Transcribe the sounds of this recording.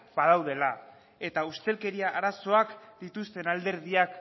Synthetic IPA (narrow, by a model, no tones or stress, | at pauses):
bað̞awðe̞la | e̞t̪aust̪e̞lke̞ɾiaʔaɾaso̞akd̪̥it̪ust̪e̞nald̪e̞ɾðiak